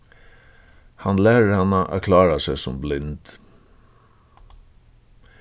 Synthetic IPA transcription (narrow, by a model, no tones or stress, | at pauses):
hɑnlæːɾəɾhɑnaʔæ̰kʰlɑːɾasɛsɔmblɪnt̪